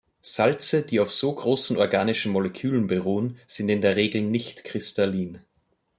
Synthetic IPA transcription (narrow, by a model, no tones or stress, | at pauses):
z̥alt͡səd̥iːaʊfz̥oːɡʁoːsn̩ɔɐɡaːnɪʃn̩mɔlɛkʰyːlənbəʁoːənz̥ɪntɪndeːɐʁeːɡl̩nɪçtkʁ̥ɪstaliːn